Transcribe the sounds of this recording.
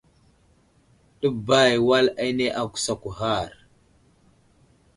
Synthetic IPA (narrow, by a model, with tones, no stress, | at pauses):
ɗə˦ba˦˨jwa˦la˦i˦ne˦ʔa˦ku̥˨sa˨ku˨ɦa˦˨ɾ